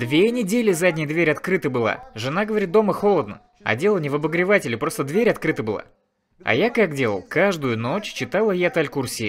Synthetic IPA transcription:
d̪vʲenʲɪdʲelʲɪzadʲnʲɪjəd̪vʲeɾʲɐt̪kɾɨt̪əbɨlˠa̰ʐɨnaɡəvɐɾʲit̪̚d̪o̞məxo̞lˠəd̪nə̰ | ɐ̰dʲe̞lˠənʲɪvəbəɡɾʲɪvatʲɪlʲɪpɾo̞st̪əd̪vʲeɾʲɐt̪kɾɨt̪əbɨlˠa̰ | ɐ̰jakakdʲe̞lˠə̰lˠkaʐd̪ʊjʊnot͡ɕt͡ɕɪt̪alˠəjat̪alʲkursʲi

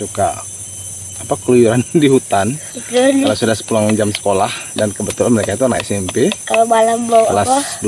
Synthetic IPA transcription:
suka̰ː | pakəlujuɾandiɦut̪ankualasudahsə̥pulaŋd͡ʒamsə̥kolahdankəbət̪ulanməlekait̪uanaɛ̰sɛmpekalabalamblolasd

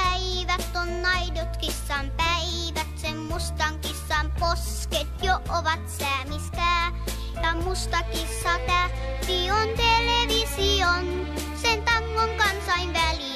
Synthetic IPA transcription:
æiʋæt̪ːonnɑidot̪kisːɑmpæi | ʋæt̪semmust̪ɑŋkisːɑmpos | ket̪joʔʔoʋɑt̪sæːmist̪æː | jɑmust̪ɑkisːɑt̪æ | siont̪eleʋision | sent̪ɑŋːoŋkɑnsɑinʋæli

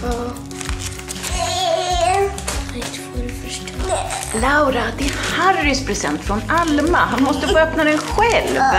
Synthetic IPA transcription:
t̪ɔɾfœʂtlaʊɾad̪ɛːɾhaɾːɪspʰɾɛsɛ̰nt̪fɾɔnalmaɦanmɔst̪əfoːœpnad̪ɛnɧɛlv

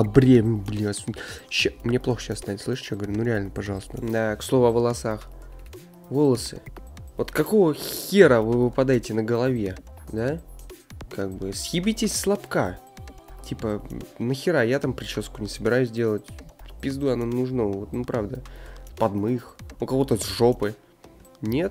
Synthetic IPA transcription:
ɐbɾʲemʲʊblʲisɕamnʲeplˠoxə̥ɕasnat̪ʲslˠɨʂɨ̥t̪t͡ɕjɡvɐɾʲnuɾʲɪalʲnəpɐʐɑlˠəst̪əd̪akslˠo̞vʊɐvəlˠɐsax | vo̞lˠəsɨ̰vo̞t̪kɐko̞vəxʲeɾəvɨvɨpɐd̪ajɪtʲɪnəɡəlˠɐvʲe̞d̪a | kaɡ̚bɨsjʲibʲitʲɪsʲslˠɐpka | tʲipənəxʲɪɾajat̪ampɾʲɪt͡ɕoskʊnʲɪsəbʲɪɾajʉsʲdʲe̞lˠətʲfpʲɪzd̪uɐnonʊʐnovot̪nupɾavd̪əpɐd̪mɨxukɐvo̞t̪əzʐo̞pɨ | nʲet̪

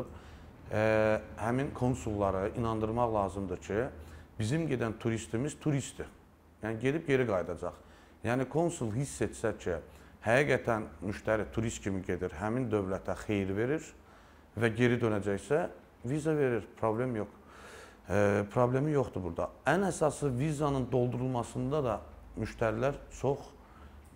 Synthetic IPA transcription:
hæminkʰo̞nsulˠːɑɾɯinɑnd̪ɯɾmɑχlˠɑːzɯmd̪ɯcʰib̥izimɟe̞d̪ænt̪ʰuɾist̪imiz̥t̪ʰuɾist̪i | jæniɟe̞d̪ipɟe̞ɾiɡɑjd̪ɑd͡ʒɑχ | jæːnikʰo̞nsulˠɦisːe̞t͡ʃsæcʰihæɡiːɡæt̪ʰænmyʃt̪ʰæɾit̪ʰuɾist̪cʰimiɟe̞d̪iɾɦæmind̪ø̞vlæt̪ʰæxe̞jɾve̞ɾiɾ | væɟe̞ɾid̪ø̞næd͡ʒæçsæ | vizɑve̞ɾiɾpʰɾo̞ble̞mjo̞k | pʰɾo̞blʲe̞mijo̞χt̪ubuɾd̪ɑ̰ænæsɑsɯvizɑnɯnd̪o̞lˠd̪uɾulˠmɑsɯnd̪ɑd̪ɑmyʃt̪ʰæɾilæɾt͡ʃʰo̞χ

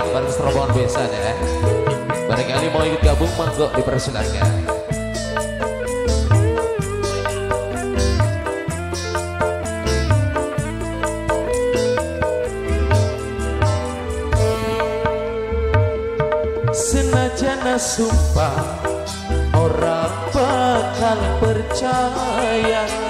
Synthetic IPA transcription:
baɾɪŋsəɾɔbaanbiasanaa | baɾaŋkalimaŋikʊt̪̚ɡabʊŋmaŋɡɔʔdipəɾasula̰rka̰n | sɨnad͡ʒɛnasumba | ɔɾa | bakalik͡pəɾt͡ʃaja

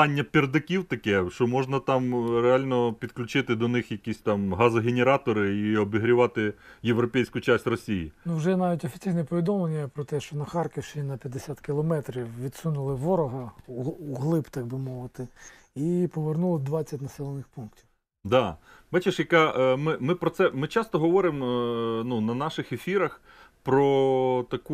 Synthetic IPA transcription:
ɑnʲːɐpʲird̪ɐkʲiwt̪ɐkɛʃt͡ʃɔmɔʒnɐt̪ɑmɾeɑlʲnɔpʲid̪klʲʊt͡ʃɪt̪ɪd̪ɔnɪxjɐkʲisʲt̪ɑmɦɑzɐɦʲenʲeɾɑt̪ɔɾɪiɔbiɦɾʲɪʋɑt̪ɪjeʋɾɔpʲɛjsʲkʊt͡ʃasʲtʲrɔsʲijinuwʒɛnɑʋʲitʲɔfʲi̥t͡sʲijnɛpɔʋʲid̪ɔmlˠenʲːɐpɾɔt̪ɛʃt͡ʃɔnɐxɑrkɔwʃt͡ʃɪnːɐpʲjɐd̪esʲat̪kɪlˠɔmɛt̪ɾʲiwʋʲid̪sunʊlˠɪʋɔɾɔɦɐuɦlˠɪpt̪ɑɡ̚bɪmɔʋɪt̪ɪ | ipɔʋernulˠɪd̪ʋɑt͡sʲɐt̚ʲnɐsɛlˠɔnɪxpunktʲiw | d̪ɑbɑt͡ʃeʃjɐkɑmɪmɪpɾɔt̪sɛmɪt͡ʃɑst̪ɔɦɔʋɔɾɪmnunɐnɑʃɪxefʲiɾɐx | pɾɔt̪ɐku

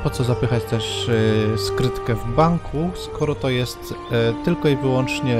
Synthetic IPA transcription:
pɔt̪sɔzapɘxat͡ɕt̪ɛʂ | skɾɘt̪kɛvbaŋkʰuskɔɾɔt̪ɔjɛstt̪t̪ɘlkɔivɘwɔnt͡ʂɲɛ

